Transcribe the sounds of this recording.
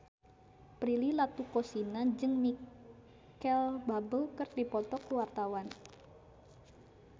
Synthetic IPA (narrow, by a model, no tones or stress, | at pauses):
pɾililat̪ukosinad͡ʒɨŋmi | kɛlbabəlkərdipɔt̪ɔkuwart̪awan